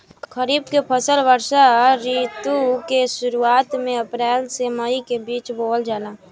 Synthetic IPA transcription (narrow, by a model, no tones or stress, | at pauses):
kʰəɾiːbkepʰəsəlʋəɾʃaɾit̪ukesʊɾuaːt̪mẽəpɾɛːlseməikebiːt͡ʃboːld͡ʒaːlaː